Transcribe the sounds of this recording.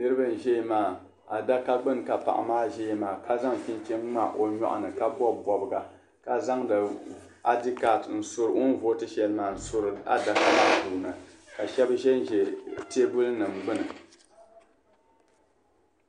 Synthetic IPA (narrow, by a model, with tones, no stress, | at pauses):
nɨ˦ɾɨ˦bɨ˦n̩˨ʒɛ˦i˦maː˨ | a˨da˦ka˦ɡ͡bɨ˦n˨ka˨pa̰˨ʔa̰˨maː˦ʒɛ˦ji˦maː˨ka˦za˦ŋ˨fi˦n˦t͡ʃɛ˦ŋŋ͡ma˦ʔo˨ɲɔ̰˦ʔʊ̰˨nɨ˨ka˦bɔ˦bɔ˨bɨ˨ɡa˨ | ka˨za˦ŋdɨ˨ | a˦di˦ka˨tn̩˨sʊ˦ɾɨ˨o˦n˦vo˦tɨ˦ʃɛ˨lɨ˦maː˨n̩˨sʊ˦ɾɨ˨a̰˦da˨ka˦na˦˨du˨nɨ˨ | ka˨ʃɛ˦bʒɛ˦n˦ʒɛ˨te˦bʊ˦lnɨ˨m˨ɡ͡bɨ˦nɨ˨